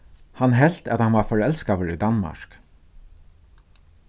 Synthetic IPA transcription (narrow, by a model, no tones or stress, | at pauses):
hanɦɛl̥t̪æt̪hanʋaɾfɔɹɛlskaʋəɹid̪anma̰ɹk